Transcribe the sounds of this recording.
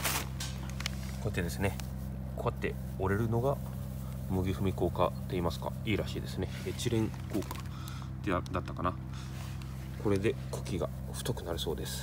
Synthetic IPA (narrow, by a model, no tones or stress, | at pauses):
kot̪ːed̪e̞sɨne̞ | koat̪ːe̞ | o̞ɾe̞ɾɯ̟no̞ɡa | mɯ̟ɡʲiɸɯ̟mʲiko̞ːkat̪ːe̞iːmasɨ̥ka̰iːɾaɕiːd̪e̞sɨne̞et͡ɕiɾẽ̞ŋ | ko̞ːkḁ | t̪ed̪at̪ːakana | ko̞ɾe̞d̪e̞ | kʰo̥kʲiɡa | ɸɯ̟̥t̪okɯ̟naɾɯ̟so̞ːd̪e̞sɨ̥